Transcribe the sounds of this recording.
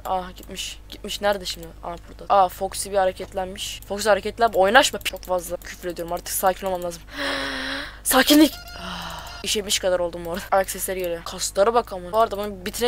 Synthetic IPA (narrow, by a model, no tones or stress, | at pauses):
aɟit̪miʃɟ̥it̪̚miʃnæɾd̪ɛʃimd̪ɪa̰bʰuɾd̪aafoksibihaɾecʰɛt̪lʲænmiʃfoksihaɾecɛt̪lʲænmojnaʃmapt͡ʃʰokfazlˠacʰyfɾled̪ijo̞ɾumaɾt̪ʰɯ̥ksaːcʰinomamlʲˠaːzɯm | saːcʰinlʲic | aiʃet̪miʃkʰad̪aɾo̞lˠd̪uːmoɾd̪aaksɛsɛɾjeɾɛkʰast̪ˠaɾɯbakʰamaoɾad̪abunubit̪ʰne